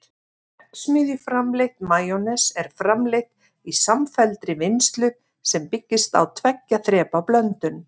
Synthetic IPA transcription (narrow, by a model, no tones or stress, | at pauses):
ɛt̪smɪːðjɪfɾamleht̪maːjonɛsɛɾ̥fɾamlejht̪̚ | isamfɛlt̪ɾɪvɪnst̪lʏ | sɛmpɪcːɪst̪a̰wt̪ʰvɛcːaθɾɛːpaplœnt̪ʏn